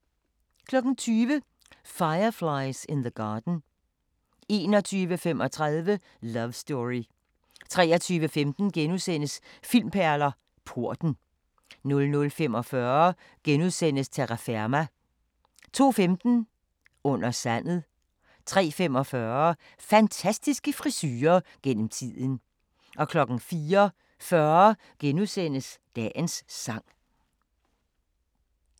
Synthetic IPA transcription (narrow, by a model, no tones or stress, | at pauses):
kʰlɒ̽ɡ̥n̩t͡sʰyːʋə | fɑ̈ɪɐfläɪsenðəɡ̥ɑːd̥n̩ | e̝ːnɒ̽t͡sʰyːʋəfemɒ̽t͡sʰʁað̞ˠʋə | lɐʋsd̥ɔʁi | t͡sʰʁɛ̰ːɐt͡sʰyːʋəfemd̥n̩ɡ̥enuðˠsen̰əsfil̰mpʰæɐlɐ | pʰuɐ̰d̥n̩ | nɔ̽lnɔ̽lfemɒfɶɐ | ɡ̥enuðˠsen̰əst͡sʰeʁɑfeɐmæ | t͡sʰo̝̰ːfemd̥n̩ | ɔ̽n̰ɐsæn̰ð̩ˠ | t͡sʰʁɛ̰ːfemɒ̽fɶːɐɐ | fænt͡sʰæsd̥isɡ̥əfʁisyːɐɡ̥en̰m̩t͡sʰið̰ˠən̩ | ʔɒ̽kʰlɒ̽ɡ̥n̩fiːɐ | fɶɐɐ | ɡ̥enuðˠsen̰əsd̥ɛ̰ːnsːɑ̈ŋ̰